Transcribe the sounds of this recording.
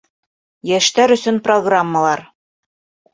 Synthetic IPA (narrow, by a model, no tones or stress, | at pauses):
jæʃt̪æɾɵ̆sɵnproɡramːəlˠɑɾ